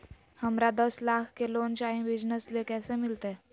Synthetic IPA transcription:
həmɾad̪əslakʰkelont͡ɕainbid͡ʑnəslekɛsẽmilt̪e

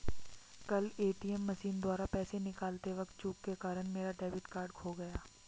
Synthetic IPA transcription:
kɐleːʈiːɛmːɐʃiːnd̪waːɾapɛːsenɪkaːlt̪eʋɐkt̪̚t͡ʃuːkːekaːɾəñmeːɾaɖɛːbɪʈkaːɾɖkʰoɡɐjaː

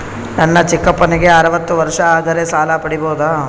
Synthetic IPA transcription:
nɐnːɐt͡ʃikːɐpːɐniɡe̞ɐɾɐʋɐt̪ːuʋɐɾʂɐaːd̪ɐɾesaːlɐpɐɽiboːd̪aː

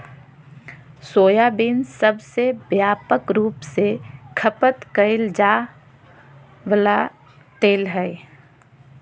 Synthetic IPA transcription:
soːjabinsəbsebjaːpəkɾuːpsekʰəpət̪kəɪld͡ʒaː | ʋəla | ʈ̪eːlɦɛɪ

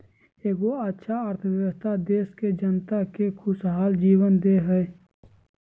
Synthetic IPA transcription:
eːkoɐtːʃʰaəɾt̪ʰəʋjəʋəst̪ʰad̪eːsked͡ʒənt̪akekʰʊsɦaːld͡ʒiːʋənd̪eɦɛe

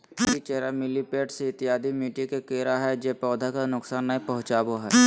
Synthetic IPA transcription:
it͡ʃeːɾamɪlipeːʈseɪt̪ɪjaːd̪ʱimiːʈikekeːɾaɦɛd͡ʒeːpɔːd̪ʱakanʊksaːnːaĩpɐɦʊ̃t͡ʃaːboɦɛː

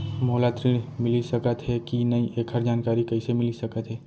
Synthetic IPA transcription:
moɦlaːt̪ɾimɪlisəkət̪ɦɛkinɐĩʔeːkʰəɾd͡ʒaːnkaːɾikɐɪsemɪlisɐkət̪ɦɛː

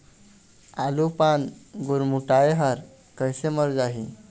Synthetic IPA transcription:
alupanɡuɾmuʈaeɦəɾ | kəjseməɾd͡zaɦi

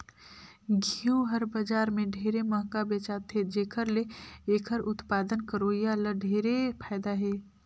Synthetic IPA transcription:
ɡʱiuɦəɾbəd͡ʒaːɾmẽɖʱeːɾeməɦkabet͡ʃaːt̪ʰed͡ʒeːkʰəɾleeːkʰəɾʊt̪paːd̪ənkəɾoːjaləɖʱeːɾepʰaːɪd̪aɦeː

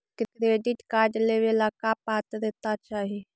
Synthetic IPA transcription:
kkɾeːɖɪʈkaːɾɖleʋelaːkapaːt̪ɾeːt̪at͡ʃaːɦie

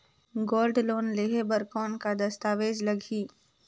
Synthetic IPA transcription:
ɡoːlɖloːnleːɦebəɾkɔːnkad̪ɐst̪aːʋeːd͡ʒlɐɡʱiː

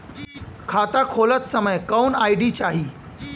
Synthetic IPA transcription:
kʰat̪akʰolət͡ssəməjkəwnajɖit͡ɕaɦiː

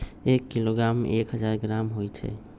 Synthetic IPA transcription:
ekːiloɡɾamekɦəd͡ʒaɾɡɾamɦojt͡ʃʰɛ̰

